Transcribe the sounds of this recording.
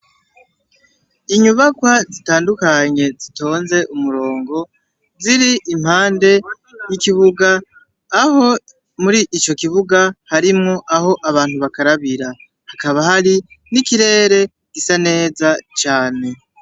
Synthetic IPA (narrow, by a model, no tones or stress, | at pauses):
iɲuβakwazitaːndukaɲe̞zito̞ːnze̞ʔumuɾo̞ːŋɡo̞ | ziɾiʔim̥haːnde̞ | jikiβuɡaː | ho̞ | muɾiʔːt͡ʃo̞kiβuɡahaɾimŋoʔaho̞ʔaβaːn̥huβakaɾaβiɾa | hakaβahaɾinikiɾe̞ːɾe̞ | ɡisane̞ːzat͡ʃaːne̞